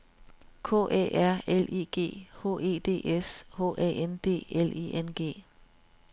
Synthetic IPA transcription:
kʰo̝̰ːʔḛʔæɐ̰elḭːɡ̥e̝̰ːho̝̰ːe̝ːd̥e̝̰ːʔesho̝̰ːʔɛ̰end̥e̝̰ːelḭʔenɡ̥e̝̰ː

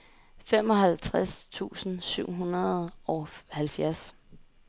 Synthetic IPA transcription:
fem̰ɒ̽ɦælt͡sʰʁast͡sʰṵːsn̩syʊ̰ɦunɐð̩ˠɒ̽hælfjæɐs

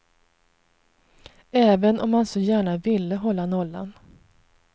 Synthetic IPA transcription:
ɛːvənʔɔmːansɔjæːɳavɪlːəɦɔlːanɔlːa̰n

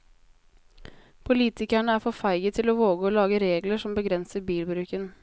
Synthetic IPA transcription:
pʰʊliːt̪ɪkæɳəæːɾfɔfæɪɡət̪ʰɪloːʋoːɡəoːlɑːɡəɾeːɡləʂɔmbəɡɾɛnsəɾbiːlbɾʉːkən

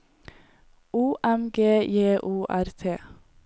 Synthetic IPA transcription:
uːʔæmɡeːjeːʔuːʔæɾt̪ʰeː

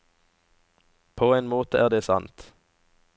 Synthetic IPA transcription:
pʰoːeːnmoːt̪əʔæːʁd̪eːsɑ̰nt̪

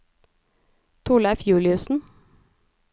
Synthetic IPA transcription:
t̪ʰʊɭɑfjʉːlɪʉsn̩

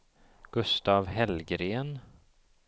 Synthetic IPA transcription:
ɡ̥ɵst̪aːvɦɛlɡɾeːn

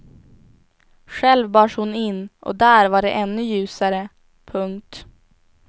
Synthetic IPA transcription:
ɧɛlvbɑːʂhʊnɪnːʔɔ̰d̪æːɾvaɖɛʔɛnːɵjʉ̟ːsaɾə | pʰɵŋk̚t̪

